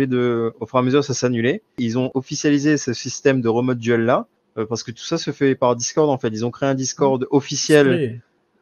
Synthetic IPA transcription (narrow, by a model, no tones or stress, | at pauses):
ed̪əofyʁaməzyʁsaseanyleilzɔ̃ʔɔfisjalizesəsist̪ɛmd̪əʁəmɔt̪̚d̪yɛlːa | øpaʁsə̥kət̪u̥sasəfɛpaʁd̪iskɔʁd̪ɑ̃fɛt̪ilzɔ̃kχeɛ̃d̪iskɔʁd̪ɔfisjɛl